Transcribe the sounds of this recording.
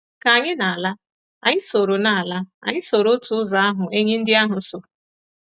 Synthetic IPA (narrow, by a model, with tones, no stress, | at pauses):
ka˨ɲɪ˦na˨a˨la˦ | a˨ɲɪ˦so˨ɾo˨na˨a˨la˦a̰˨ɲɪ˦so˨ɾo˦tʊ˨ʊ˦za˨˦a˦ɦʊ˨ʔe˦ɲe˦n̩˦dɪ˦a˦ɦʊ˨so˨